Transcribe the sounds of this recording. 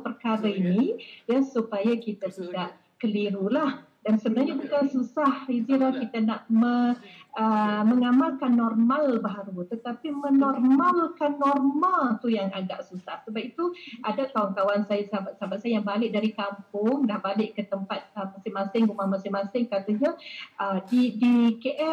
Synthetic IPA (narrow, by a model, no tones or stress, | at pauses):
pərkaɾainijasupajakit̪at̪idaʔ | kəliɾulah | dansəbənarɲabukansusahiziɾahkit̪anaʔməəməŋamalkanːɔrmalbaɦaɾut̪ət̪apimənɔrmalkanːɔrmalt̪ujaŋaɡaʔsusahsəbap̚it̪uʔadat̪awank̪awansajsabat̪sabat̪̚sajajaŋbalɪʔ̚daɾikampʊŋdahbalɪʔkət̪əmpat̪̚əmasɪŋmasɪŋɡumahmasɪŋmãsɪŋkat̪aɲaʔədidikeʔɛ